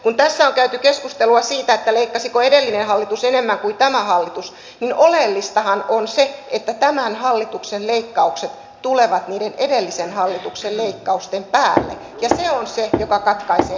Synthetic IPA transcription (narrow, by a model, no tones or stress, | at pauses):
kunt̪æsːæoŋkæyt̪ykeskust̪eluɑsiːt̪æet̪ːæleikːɑsikoedelːinenhɑlːit̪usenemːæŋkuit̪æmæhɑlːit̪us | ninolelːist̪ɑhɑnonseet̪ːæt̪æmænhɑlːit̪ukselleikːɑukset̪ | t̪uleʋɑt̪niːdenedelːisenhɑlːit̪ukselleikːɑust̪empæːlːḛ | jɑseonsejokɑkɑt̪kɑiseː